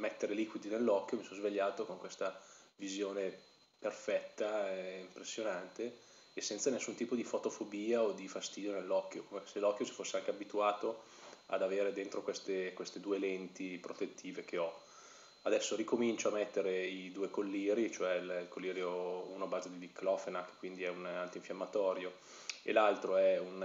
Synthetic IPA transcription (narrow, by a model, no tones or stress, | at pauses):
mɛt̪ːeɾeliːkwid̪inelːɔkːjomisɔnzveʎːaːt̪okoŋkwest̪a | vizjoːne | perfɛt̪ːaɛimpɾesːjonant̪eː | sːɛnt̪sanesːunt̪iːpod̪ifot̪ofobiːaod̪ifast̪iːd̪jonelːɔkːjokomeselːɔkːjosi̥fosːeaŋkeabit̪uaːt̪o | a̰d̪aveːɾed̪ent̪ɾokwest̪ekwest̪ed̪uːelɛnt̪ipɾot̪et̪ːiːvek̟eɔ | ad̪ɛsːoɾikomint͡ʃoamɛt̪ːeɾeid̪uːekolːiːɾit͡ʃoɛililkolːiːɾjoṵːnoabaːzed̪id̪ikːlɔfenake̥kːwind̪iɛunalt̪oiɱfjamːat̪ɔːɾjo | ḛlalt̪ɾoɛun